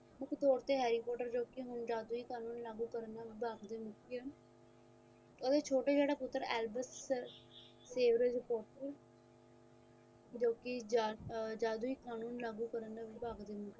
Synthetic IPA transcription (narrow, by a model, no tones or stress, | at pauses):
mʊkʰt̪ɔːɾt̪eːɦɛːɾiːpɔːʈəɾd͡ʒoːkɪɦʊnd͡ʒaːd̪uːiːkaːnuːnlaːɡuːkəɾənd̪aːʋiːbaːɡd̪eːmʊkʰiə | oːd̪eːt͡ʃʰoːʈeːd͡ʒeːɽaːpʊt̪ːəɾɛːlbəs | seːʋɾeɾɪpoːʈəɾ | d͡ʒoːkɪd͡ʒad͡ʒaːd̪uːiːkaːnuːnlaːɡuːkəɾənd̪aːʋiːbaːɡd̪eːmʊke